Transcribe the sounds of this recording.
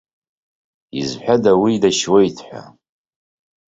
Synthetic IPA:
ḭzħʷᶣadawidaʃwejtʰħʷᶣa̰

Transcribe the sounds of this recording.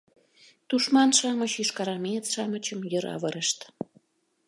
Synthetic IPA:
t̪uʃmɑnʃɑmət͡ɕyʃkɑɾɑmet͡sʃɑmət͡ɕəmjəɾɑ̰βəɾəʃt̪

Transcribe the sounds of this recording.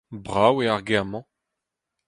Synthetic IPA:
bʁaweaʁɡemɑ̃

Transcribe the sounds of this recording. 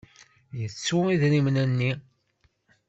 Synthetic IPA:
jət͡sːuiðɾimnænːi

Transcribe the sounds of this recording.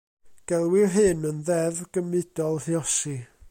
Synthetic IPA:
ɡ̥ɛlˠwɪrɦɨnənðɛvɡ̥əmɨd̥ɔlˠhiɔsi

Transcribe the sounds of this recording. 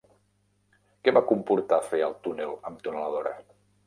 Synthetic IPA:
kɛβakumpuɾt̪afeəlˠt̪unelˠəmt̪unələðoɾə̰

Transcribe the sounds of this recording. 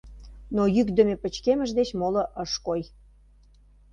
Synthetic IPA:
nojykd̪ə̆mepə̆t͡ɕkeməʒd̪et͡ɕmoləʔəʃkoj

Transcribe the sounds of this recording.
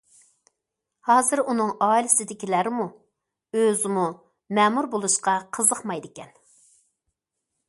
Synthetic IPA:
hɑːzɨɾunɨŋɑːilɪsɪd̪ɪkʲilæɾɪmu | øzɪmu | mɛmuɾbolˠuʃqɑqʰəzəχmɑjd̪ɪkʲɛn

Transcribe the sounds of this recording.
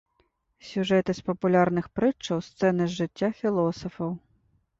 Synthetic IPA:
sʲuʐɛt̪ɨspɐpulʲaɾnɨxpɾɨt͡ʂːɐwst̪sɛnɨzʐɨt͡sʲːafʲilˠɔsɐfɐw

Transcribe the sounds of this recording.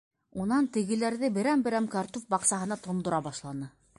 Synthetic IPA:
unɑnt̪ɘ̆ɣɘ̆læɾðɘbɘ̆ɾæmbɘ̆ɾæmkɑɾt̪ufbɑqsɑɦɤ̆nɑt̪ŏnd̪ŏɾɑbɑʃlˠɑnɤ

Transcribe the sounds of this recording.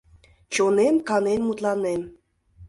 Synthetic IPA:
t͡ɕonemkɑnenmut̪lɑnem

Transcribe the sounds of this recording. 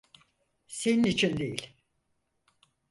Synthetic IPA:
se̞ninit͡ʃʰind̪ejilʲ

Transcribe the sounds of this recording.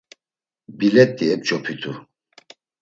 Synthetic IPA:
bilɛt̪̚ːiɛp̚t͡ʃɔpʰit̪ʰu

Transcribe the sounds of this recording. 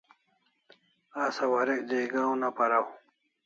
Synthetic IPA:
asɐwɐɾek̚d̪eːɡaːw̃napɐɾaw

